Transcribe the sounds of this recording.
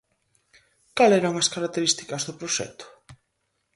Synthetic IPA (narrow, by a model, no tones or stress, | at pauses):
kalɛɾɐwŋɐskaɾak̚t̪eɾist̪i̥kɐzðʊpɾoʃɛ̰t̪ʊ̥